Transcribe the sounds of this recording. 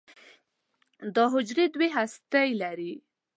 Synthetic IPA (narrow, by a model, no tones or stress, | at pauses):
d̪əɦʊd͡ʒɾed̪weɦast̪ajlaɾi